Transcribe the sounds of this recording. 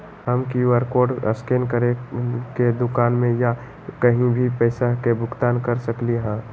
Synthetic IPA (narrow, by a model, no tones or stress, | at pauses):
ɦəmkiəɾkoːɖə̰skenkəɾeked̪ʊkaːnmẽja | kəɦĩbʱipɛːsakebʱʊɡt̪aːnkəɾsəkliɦɛ̃ː